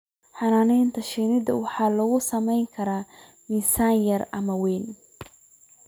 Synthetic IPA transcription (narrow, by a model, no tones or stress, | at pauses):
ħɑnaːnɛjnt̪ʰɐʃɛːnɪdɐ̰wɑħɑːlɐɣʊsɐmɛjŋkʰɐɾaː | misaːnjɐrɐmɐwɛːn